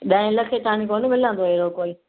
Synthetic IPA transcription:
ɗãɪ̃ləkʰet̪aːñĩkoːnmɪl̤ə̃nd̪oɦeɾokoːi

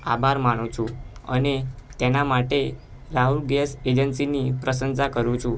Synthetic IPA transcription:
abʱaɾmanũt͡ʃʰũə̰net̪enamaʈe | ɾaɦulɡesed͡ʒənsinipɾəsənsakəɾũt͡ʃʰũ

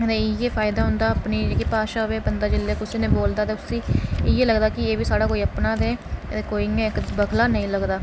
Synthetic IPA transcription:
t̪eːjeːfʰaːɪd̪aːɦʊ̃ːnd̪aːəpniːeːkipaːʃaːɦʋeːbənd̪aːd͡ʒɪlːeːkʊsiːnẽːboːld̪aːt̪eːʊsiːɪjeːləɡd̪aːkɪeːʋiːsaːɽaːkoːiːəpnaːd̪eːt̪ekoːiːŋẽːkbəkʰlaːnəĩːləɡd̪aː

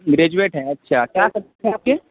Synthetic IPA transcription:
ɡɾeːd͡ʒueːʈɦɛ̃ɐtːʃʰakjaːkɐɾt̪et̪ʰɛaːp̚ke

